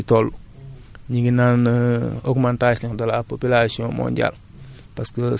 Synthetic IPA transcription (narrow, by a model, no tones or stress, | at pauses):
tolːu | ɲiɡinanokmantasɲiŋdɐlapopilasiõmo̰ːɲɟa̰l | paskə